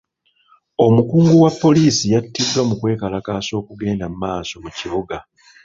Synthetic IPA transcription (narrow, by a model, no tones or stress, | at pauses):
o̞mukuːŋɡuwapːo̞liːsijatːidːwamukwe̞ːkalakaːso̞ːkuɡe̞ːndamumaːso̞muciβoɡa